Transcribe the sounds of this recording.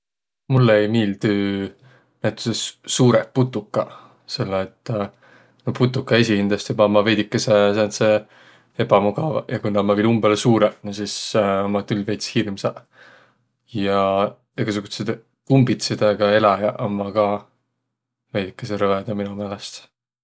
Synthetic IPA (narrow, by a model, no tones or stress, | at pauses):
mulːeejmiːld̪̥y | næt̪ːu̥sesuːɾepːut̪ːukːɑ | se̞lːeːt̪ː | noput̪ːˑukːˑɑesʲihind̪̥lɑst̪ebɑmːɑve̞jd̪ikːesesense | hebɑmuɡɑ̰vjɑkujnɑmɑvilumbelesuːɾensismɑt̪ylːvejt̪shirmsɑ | jɑ | eɡɑs̬uɡut̪set̪ | kumbit̪sid̪̥ɑɡ̥ɑelɑjɑʔomːɑkɑː | vejd̪ikːˑeseɾɤved̪ɑminumeːlest̪